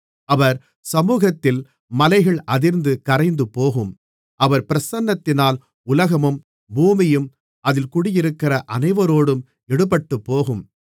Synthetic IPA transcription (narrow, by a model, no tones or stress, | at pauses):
ɐʋɐɾ | sɐmuːɣɐt̪ːɪl | mɐlɐɪɣɐɭʔɐðɪɾnd̪ɯkɐɾɐɪnd̪ɯpːoːɣɯm | ʔɐʋɐɾpɪɾɐsɐnːɐt̪ːɪnaːl | ʊlɐɣɐmɯm | buːmɪjɯm | ʔɐðɪlkʊɽɪjɪɾɯkːɪrɐʔɐnɐɪʋɐɾoːɽɯm | ɛɽɯpːɐʈːɯpːoːɣɯm